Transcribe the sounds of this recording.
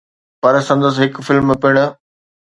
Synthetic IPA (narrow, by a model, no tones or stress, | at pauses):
pɐɾsɐ̃nd̪əs̬ɦɪkfɪlmpɪɽ̃ʊ̆